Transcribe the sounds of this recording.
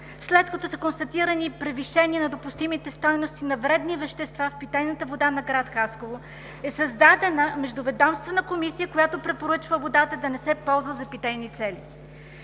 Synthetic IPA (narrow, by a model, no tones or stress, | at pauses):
slɛt̪kɐt̪ɔsəkonst̪ɐt̪iɾənipɾɛviʃɛniənɐd̪opʊst̪imit̪ɛst̪ɔjnost̪inɐvɾɛd̪nivɛʃt̪ɛst̪vafpit̪ɛjnət̪əvod̪anɐɡɾat̪xaskovo | ɛsəzd̪ad̪ɛnəmɛʒd̪ʊvɛd̪amst̪vɛnəkomisijəkojat̪opɾɛpoɾət͡ʃvəvod̪at̪əd̪ɐnɛsɛpɔlˠzvəzɐpit̪ɛjnit̪sɛli